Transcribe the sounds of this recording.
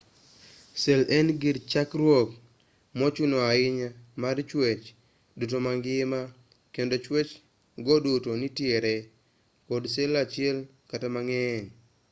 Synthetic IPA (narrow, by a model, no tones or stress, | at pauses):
selɛnɡɪɾt͡ʃakɾwok̚ | mɔt͡ʃunoaɪɲamart͡ʃwet͡ʃ | dutomaŋɡɪma | kendot͡ʃwet͡ʃ | ɡodutonitjeɾe | kodselat͡ʃɪɛl | katamaŋɛn